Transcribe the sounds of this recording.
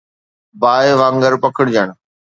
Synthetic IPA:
baːeʋãːŋɡəɾpɐkʰəɽd͡ʑəɽ̃

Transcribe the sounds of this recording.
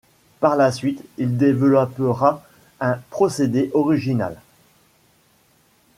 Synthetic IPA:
paʁlasɥit̪ild̪evəlɔpəʁa | ɛ̃pχɔsed̪eʔɔʁiʒina̰l

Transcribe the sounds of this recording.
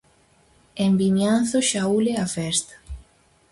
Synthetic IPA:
embiɲanθoʃauleafɛst̪ḁ

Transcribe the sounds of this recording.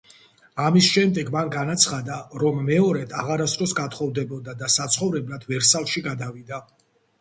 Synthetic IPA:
amisʃɛmd̪ɛɡmanɡanat̪sʰχad̪aɾɔmːɛɔɾɛt̪ʰaʁaɾasd̪ɾɔsɡat̪ʰχɔvd̪ɛbɔd̪ad̪asat̪sʰχɔvɾɛblat̪ʰvɛɾsalˠʃiɡad̪avid̪a

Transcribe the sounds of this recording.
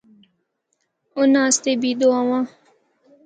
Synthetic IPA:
ʊnãːst̪ebiːd̪oawãː

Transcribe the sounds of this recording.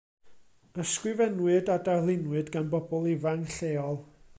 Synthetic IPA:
əskwɪvɛnwɨdadarlˠɪnwɨdɡanbɔbɔlˠɪvaŋɬeːɔlˠ

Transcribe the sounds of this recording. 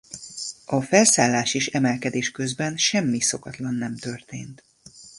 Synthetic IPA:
ɒfɛlsaːlːaːʃeːʃɛmɛlkɛd̪eːʃkøzbɛnʃɛmːiso̞kɒt̪lɒnːɛmt̪ø̞rt̪eːnt̪

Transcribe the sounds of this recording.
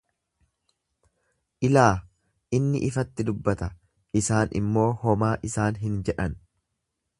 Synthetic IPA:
ʔɪlaː | ʔɪnːɪ̰ʔɪfɐt̪ːɪd̪ʊbːɐt̪ɐ | ɪsaːnɪ̰mːo̞ːhɔmaːʔɪsaːnɦɪnd͡ʒɛᶑɐn

